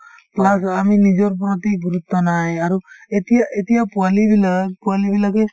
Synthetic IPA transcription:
plasaminizɔɾp̬ɾɔt̪iɡuɾut̪ʰːɔnajaɾuetijaʔetijapualibilapuwalibilaɡe

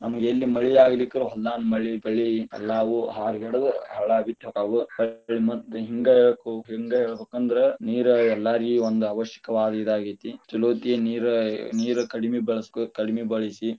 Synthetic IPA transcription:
nɐmɐɡelːimɐɭiaːɡɐlikːɐɾuɦɐlːaːnmɐɭibɐɭiɛ̰lːaːʋuɦaːɾɡɛɽɐd̪ɐɦɐɭabit̪ɔkaːʋub̥ɐɭimɐt̪ːuɦiŋɡɐɛɭɐkuɦiŋɡɐɛɭɐbeːkːɐnd̪ɐɾeniːɾɐɛlːaːɾiond̪uɐʋɐʃjɐ̥kɐʋaːd̪ɐid̪aːɡit̪it͡ʃuloːt̪ieniːɾɐniːɾɐkɐɽimebɐɭɐskukɐɽimebɐɭisi

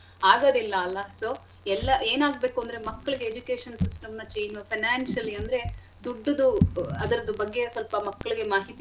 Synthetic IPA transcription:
aːɡɐd̪ilːɐːlːɐsoː | ɛlːɐʔe̞ːnaːɡ̚be̞ːkuɐnd̪ɐɾe̞mɐkːɐɭiɡe̞ːd͡ʒuke̞ːʂɐnsisʈɐmnɐt͡ʃeːnɐpʰɐnaːnsɐlːiɐnd̪ɐɾe̞ | d̪uɖːɐd̪uɐd̪ɐɾɐd̪ɐbɐɡːe̞sɔlpɐmɐkːɐɭiɡe̞maːɦit̪i

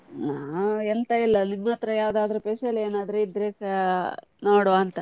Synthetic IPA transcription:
naːent̪ɐilːɐniɡmaːt̪ɾɐjaːʋd̪aːd̪ɐɾupeseleːnaːd̪ɾeid̪ɾeːkɐ | noːɽoɐnt̪ɐ

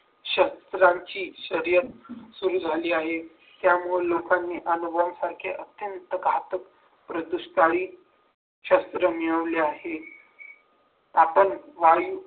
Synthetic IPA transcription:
ɕəst̪ɾaɲt͡ɕiːɕəɾjət̪suɾuːd͡zʱaliːaɦe | t̪jamulokanːiːʔənubʱəamsaɾkʰḛʔət̪jənt̪əɡʱat̪ək | pɾəd̪uɕkaɭiː | ɕəst̪ɾəmiɭəʋliahe | apənʋaju

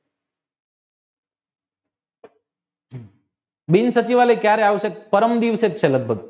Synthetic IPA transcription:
binsət͡ɕiʋalekjaɾeaʋset̪̚pəɾəmd̪iʋset̪̚t͡ʃʰeləɡ̚bʱəɡ

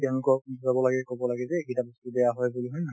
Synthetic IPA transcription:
tɛnkɔzabɔlaɡɛkɔbɔlaɡɛzɛekitabisubɛjaɦɔjbuliɦɔjna

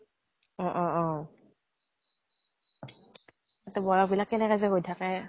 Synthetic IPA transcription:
ɔ̃ʔɔʔɔ | atɛbɔjɔk̚bilakːɛnɛkazɛkɡojtʰakɛ

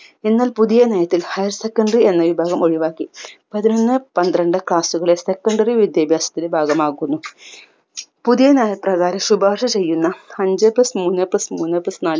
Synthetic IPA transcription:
enːaːlpuðijɐnejɐt̪ːilhɐjɐɾsekːɐɳɖrie̞nːɐʋibʱaːɣɐmo̞ɻiʋaːkːipɐðinonːɨpɐnd̪ɾɐɳɖɨkɭaːsuɣɐɭese̞kːɐɳɖɐriʋid̪jɐːbʱjaːsɐ̥t̪ːilebʱaːɡɐmaːkːunːu | puðijɐneːjɐpːrɐɣaːɾɐmsubaːʂɐt͡ɕe̞jːunːɐɐɲd͡ʑɐplɐsmuːnːɐplɐsmuːnːɐplɐsnaːl

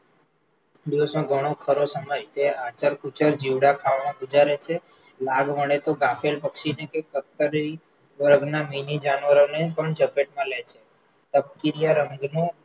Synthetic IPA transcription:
biosõɡʱəɽ̃okʰəɾosəməjt̪eat͡ʃəɾkut͡ʃəɾd͡ʒiʋɽakʰaʋɳõkʊd͡ʒaɾet͡ʃʰe | laɡməɽ̃et̪oɡafelpəkʃinekekəɾt̪əɾi | ʋəɾəɡnaminid͡ʒanʋəɾonepəɳd͡ʒəbeʈmãlet͡ʃʰe | t̪əp̚kiɾijaɾəŋɡnõ

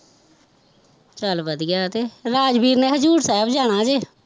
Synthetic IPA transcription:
t͡ʃəlbəd̪ɡaːt̪eːɾaːd͡ʒbiːɾnẽːɦəd͡ʒuːɾsɛːbd͡ʒaːɽ̃aːd͡ʒeː

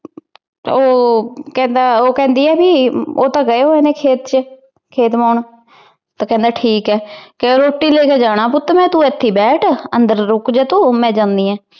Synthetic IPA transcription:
oːkɛ̃ːnd̪aːoːkɛ̃ːnd̪iːɛːbiːoːt̪ãːɡəeːɦoeːnẽːkʰeːt̪t͡ʃ | kʰeːt̪maːɳ | t̪aːkɛ̃ːnd̪aːʈʰiːkɛːkeoɾoːʈːiːleːkeːd͡ʒaːɽ̃aːp̬ʊt̪ːmɛ̃ːt̪ũːɛt̪ʰːiːbɛːʈʰənd̪əɾːʊkd͡ʒeːt̪õːmɛ̃ːd͡ʒãːnd̪iːɛ̃ː

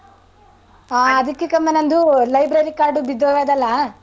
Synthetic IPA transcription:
aːɐd̪ɐkːekɐmːɐnɐnd̪ulɐjbɾɐɾikaːɾɖubid̪ːoːʋeːd̪ɐlːɐ

